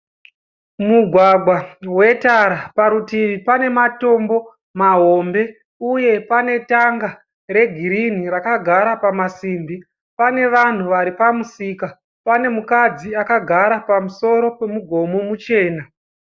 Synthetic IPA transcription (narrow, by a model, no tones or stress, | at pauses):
muɡʱwaɡʱwawe̞taɾapaɾutiʋipane̞mato̞mbo̞ | maɦo̞mbe̞ | uje̞pane̞taŋɡa | re̞ɡʱiɾin̤irakaɡʱaɾapamasiːmbi | pane̞ʋan̤uʋaɾipamusiːka | pane̞mukad͡ziakaɡʱaɾapamuso̞ɾo̞pe̞muɡʱo̞mo̞mut͡ʃe̞ːna